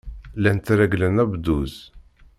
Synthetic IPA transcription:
lænt̪ɾæɡlənæbd̪uz

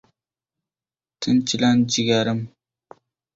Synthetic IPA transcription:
t̪ʰɪnt͡ʃʰɪland͡ʒɪɡʲaɾɪm

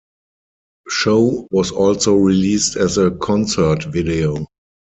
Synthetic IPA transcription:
ʃoʊwɔsɔlsoʊɹiliːstɛzəkʰɔ̃nsə˞tvideo

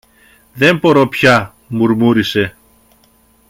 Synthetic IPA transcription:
ðe̞mpo̞ɾo̞pçɐ | muɾmuɾise̞

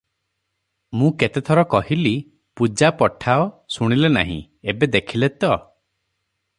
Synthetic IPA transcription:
mũket̪et̪ʰɔɾɔkɔɦili | pud͡ʒapɔʈʰaɔsuɽ̃ilena̰ɦḭ̃ | ebed̪ekʰilet̪ɔ

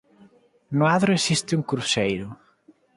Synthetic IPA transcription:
nʊaðɾoesist̪ɪuŋkuɾusejɾʊ

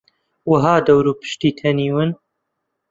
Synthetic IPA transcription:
wəɦaːd̪ɐwɾuːpɨ̥ʃt̪iːt̪ʰɐniːwɨn

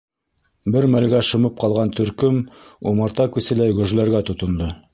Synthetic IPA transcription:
bɘɾmælɡæʃɤ̆mɤp̚qɑlˠʁɑnt̪ʰɵ̆ɾkɵmumɑɾt̪ɑkʉsɘlæjɡɵ̆ʒlæɾɡæt̪ŏt̪ŏnd̪ɤ

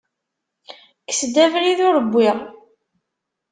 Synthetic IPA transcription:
kə̥sd̪ævɾiðʊɾəbːɪʁ

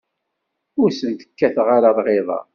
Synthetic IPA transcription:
ʊɾsənt̪ə̥kːæθʁaɾaðˤʁeðˤɑ̰

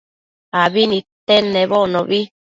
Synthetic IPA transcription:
aβinĩt̪ɛnɛβɔnɔ̃βi

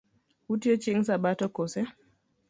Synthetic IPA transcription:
hutiɔt͡ʃiŋsaɓatɔkɔsɛ

